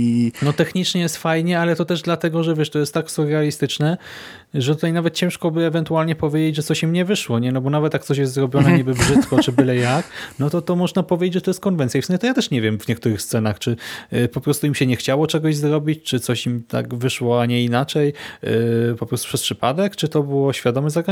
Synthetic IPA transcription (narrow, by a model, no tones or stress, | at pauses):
inɔt̪ɛxɲit͡ʂɲɛjɛst̪fajɲɛalɛt̪ɔt̪ɛʐd̪lat̪ɛɡɔʐɛvʲjɛʂt̪ɔjɛst̪ːaksuɾɛalʲist̪ɘt͡ʂnɛ | ʐɛt̪ut̪ajnavɛt̪̚t͡ɕɛ̃w̃ʂkɔbɘɛvɛnt̪ualɲɛpɔvʲjed͡ʑed͡ʑʐɛt̪sɔɕimɲɛvɘʂwɔɲɛnɔbɔnavɛt̪jak̚t̪sɔɕ̬jɛs̬t̪zɾɔbʲjɔnɛɲibɘbʐɘt̪kɔt͡ʂɘbɘlɛjaknɔt̪ɔt̪ɔmɔʐnapɔvʲed͡ʑet͡ɕd͡ʑʐɛt̪ɔjɛst̪̚kɔnvɛnsʲjaifsɛmɕ̬ɛt̪ɔjat̪ɛʂɲɛvʲjɛmvɲɛk̚t̪uɾɘxst̪sɛnaxt͡ʂɘpɔpɾɔst̪uimɕɛɲɛxt͡ɕawɔt͡ʂɛɡɔʑzɾɔbʲit͡ɕt͡ʂɘt̪sɔɕimt̪ʰa̰kvɘʂwɔaɲɛinat͡ʂɛj | pɔpɾɔst̪upʂɛspʂɘpad̪ɛkt͡ʂɘt̪ɔbɘwɔɕfʲjad̪ɔmɛzaɡɾa